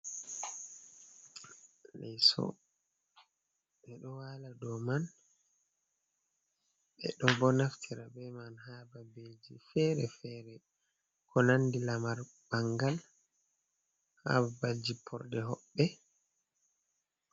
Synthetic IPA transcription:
lɛjsɔ̰ | ɓɛɗɔwaladɔman | bɛ̰ɗɔbɔnaftʰiɾabɛmanhababeːd͡ʒifɛɾɛfɛɾɛ | kʰɔnandilamaɾ | baŋɡal | ha̰babad͡ʒipʰɔɾdɛɦɔɓːɛ

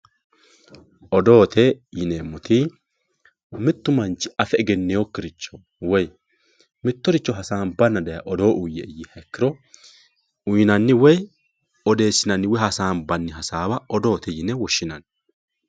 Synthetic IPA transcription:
ʔɔd̪o̞ːt̪ʰɛjɪneːmʊt̪ʰɪ | mɪt̪ːʊmɐnt͡ʃːɪ̥ɐfɛɛɡɛnːɛjokːɪɾɪt͡ʃːɔ | wɔj | mɪt̪ːɔɾɪt͡ʃːɔɦɐsaːnbɐnːɐd̪ɐjɐʔɔd̪o̞ːʔʊjːɛjɪhɛkːɪɾɔ | ʊjɪnɐnːɪwɔj | ɔd̪e̞ːsɪnɐnːɪwɛhɐsaːnbɐnːɪɦɐsaːbɐʔɔd̪o̞ːt̪ɛjɪnɛwɔʃːɪnɐn

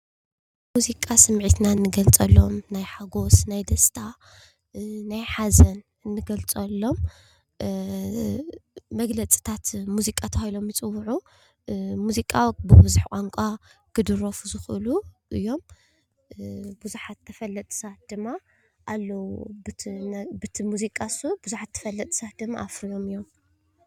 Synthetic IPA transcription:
muzikʼasɨmʕit̪nanːɨɡɐlt͡sʼɐlːo̞mnajħaɡo̞snajd̪ɐst̪ʰa | najħazɐn | ɨnːɨɡɐlt͡sʼɐlːo̞m | mɐɡlɐt͡sʼi̥t̪ʰat̪muzikʼat̪ʰɐhajlo̞mjit͡sʼɨwːʕu | muzikʼawbɨbuzuħkʼaŋkʷʼakɨd̪ɨɾofuzɨxɨluʔɨjːo̞m | buzuħat̪ʰːɐfɐlːɐt̪ʼsat̪̚d̪̥ɨmːa | ʔalːɐwubɨnbɨt̪ʰimuzikʼasubuzuħat̪ʰːɐ̥fɐlːɐt̪ʼsat̪̚d̪ɨmːaʔafɾijo̞mɨjːo̞m

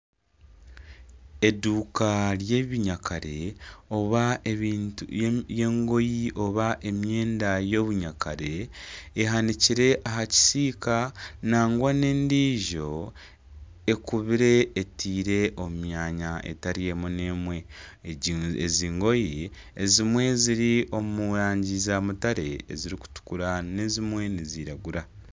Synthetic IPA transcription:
e̞duːkaɾje̞βiɲakʰaɾe̞oβaeiːnje̞ːŋɡo̞jiʔo̞βaʔe̞mje̞ːndajo̞βuɲakaɾe̞ː | ɦaniciɾe̞ʔaɦaci̥siːkanaːŋɡwane̞ːndiːʒo̞ | ekuβiɾe̞ːtʰiːɾe̞ʔomumjaːɲaʔḛtaɾije̞mune̞mwe̞ | eziːŋɡo̞ji | ezimwe̞ziɾio̞muɾaːɲɟizamutaɾe̞̰ːziɾiku̥tu̥kuɾane̞zimwe̞niziːɾaɡuɾa

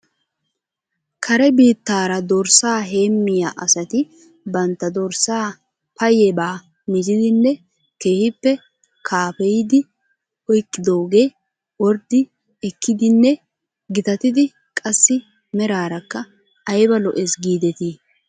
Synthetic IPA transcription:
kʰɐɾɛbiːt̪ːaːɾɐd̪ɔɾsaːɦe̞ːmːɪjaːʔɐsɐt̪ɪ | bɐnt̪ːɐd̪ɔɾsaː | pɐjɛbaː | mɪd͡ʒɪd̪ɪnːɛ | ke̞ːhɪpːɛ | kʰaːpɛjd̪ɪ | ɔjkʼːɪd̪oːɡe̞ː | wɔɾd̪ɪ | ɛkːɪd̪ɪnːɛ | ɡɪt̪ɐt̪ɪd̪ɪ | kʼɐsːɪ | mɛɾaːɾɐkːɐ | ɐjbɐlɔʔɛsɡiːd̪ɛt̪iː

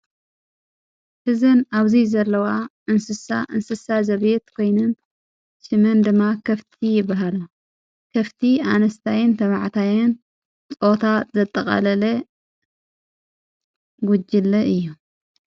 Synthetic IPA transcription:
hɨzɐnaβzizɐlːɐwaʔɨnsɨsa̰ʔɨnsɨsazɐβet̪kʰo̞jnɨn | ʃɨmɐnd̪ɨmːakʰɐft̪ʰijɪbːaɦala | kʰɐft̪ʰia̰nɐst̪ʰajɪnt̪ʰɐβaʕt̪ʰajɪn | t͡sʼo̞t̪ʰazɐt̪ʼːɐkʼɐ̰lɐlɐ | ɡud͡ʒɪlːɐʔɨjːu

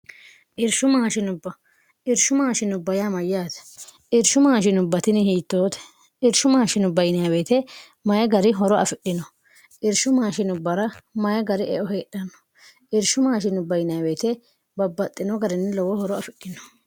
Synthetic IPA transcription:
ʔɪɾʃʊmaːʃɪnʊbːɐ | ʔɪɾʃʊmaːʃɪnʊbːɐjamɐjːaːt̪ɛ̥ʔɪɾʃʊmaːʃɪnʊbːɐt̪ɪnɪhiːt̪ːoːt̪ɛ̥ | ʔɪɾʃʊmaːʃɪnʊbɐjnɪjabe̞ːt̪ɛ | mɐjɛɡɐɾɪɦɔɾɔɐ̰fɪɗːɪnɔ | ʔɪɾʃʊmaːʃɪnʊbːɐɾɐmɐjɛɡɐɾɪɛʔɔɦe̞ːɗːɐnːɔ̥ | ʔɪɾʃʊmaːʃɪnʊbːɐjnɪjabe̞ːt̪ɛ | bɐbːɐt̪ʼːɪnɔɡɐɾɪnːɪlɔwɔhɔɾɔɐfɪɗːɪnɔ̥

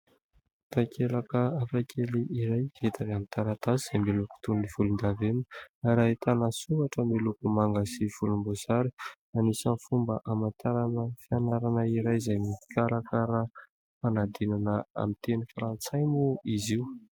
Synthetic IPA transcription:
t̪akʰelakəafakʲʰeliʔiɾajet̪ʰavamit̪aɾat̪aziz̥ajmiluku̥t̪univ̥ulund̪aven̥aɾaet̪anasuaʈ͡ʂəmilukumaŋɡasiv̥ulumbozaɾi | anisanfumbəʔamant̪ʰaɾanəfianaɾanəiɾajzajmiikʲaɾakəɾa | fanad̪inanəa̰mint̪enifɾant͡sajmuiziw

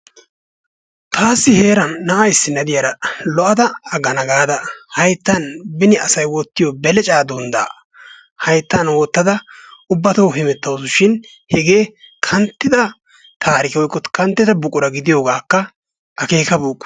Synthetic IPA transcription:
t̪ʰaːsːɪhe̞ːɾɐnːɐʔɐjɪsːɪnɐd̪ɪjɐɾɐlɔʔɐd̪ɐɐɡɐnɐɡaːd̪ɐhɐjt̪ːɐnbɪnɪʔɐsɐjwɔt̪ːɪjobɛlɛt͡ʃʼaːd̪ɔnd̪a̰ː | hɐjt̪ːɐnwɔt̪ːɐd̪ɐʊbːɐt̪owɦɛmɛt̪ːɐwsʊʃɪn | hɛɡe̞ːkʰɐnt̪ːɪd̪ɐ | t̪ʰaːɾɪkɪɔjkːɔt̪kɐnt̪ːɪd̪ɐbʊkʼʊɾɐɡɪd̪ɪjo̞ːɡaːkːɐ | ʔɐke̞ːkɐbuːkʼː

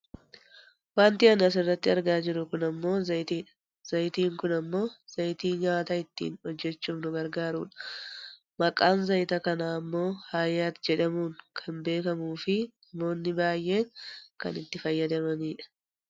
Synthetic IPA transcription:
waːnt̪ɪɐnɐs̬ɪrːɐt̪ːɪɐɾɡaːd͡ʒɪɾʊkʊnɐmːo̞ːzɐjt̪iːᶑɐ̥ | z̥ɐjt̪iːŋkʊnɐmːo̞ːz̥ɐjt̪iːɲaːt̪ɐɪt̪ːḭːnhɔd͡ʒːɛt͡ʃːuːmnʊɡɐɾɡaːɾṵːᶑɐ̥ | mɐkʼːaːnzɐjt̪ɐkɐnaːɐmːo̞ːhaːjːaːt̪d͡ʒɛᶑɐmuːŋkʰɐmbe̞ːkɐmuːfɪnɐmo̞ːnːɪbaːjʔe̞ːŋkɐ̰nɪt̪ːɪfɐjːɐd̪ɐmɐniːᶑɐ̥

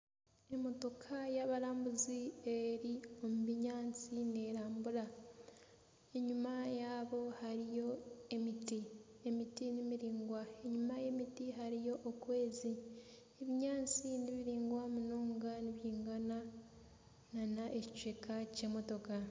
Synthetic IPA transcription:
e̞mo̞to̞kʰajaβaɾaːmbuzieɾio̞muβiɲaːnt͡sine̞ɾaːmbuɾa | e̞ɲumajaːβo̞haɾijo̞e̞miti | e̞mitinimiɾiːŋɡwae̞ɲumaje̞mitiɦaɾijo̞ʔokwe̞ːzi | eβiɲaːt͡siniβiɾiːŋɡwamunoːŋɡaniβjiːŋɡana | nanaʔecit͡ʃwekʰace̞ːmo̞to̞ka

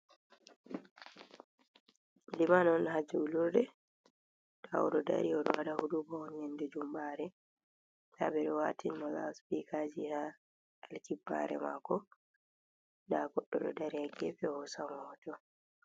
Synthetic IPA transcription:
limanɔnhad͡ʒuulɔdɛ | tʰaɔɗɔda̰ɾiɔɗɔwadahudubaɔnjɛndɛd͡ʒumbaɾɛ | tabɛɗɔwatʰinmɔla̰spikʰad͡ʒiha | alkibːa̰ɾɛ̰ma̰kɔ | daɡɔɗːɔɗɔ̰daɾiaɡɛfɛhɔsamɔhɔtɔ

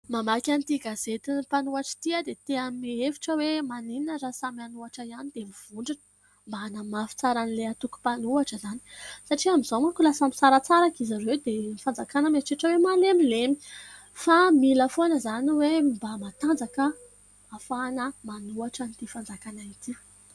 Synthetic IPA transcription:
mamakʲanit̪iɡaz̥et̪inpanuaʈ͡ʂi̥t̪iəd̪et̪eamiefi̥ʈ͡ʂəwemanininəɾasamianuaʈ͡ʂəianid̪emiv̥uɳɖ͡ʐinə̥ | mbaanamafi̥t͡saɾanileat̪uku̥panuaʈ͡ʂəzani̥saʈ͡ʂiamizomukʲulasami̥saɾat͡saɾakizaɾewd̪emifand͡zakanəmeʈ͡ʂeʈ͡ʂəwemalemilemi̥ | familəfonəzaniwembamat̪and͡zakə | afanəmanuaʈ͡ʂənit̪ifand͡zakanait̪i

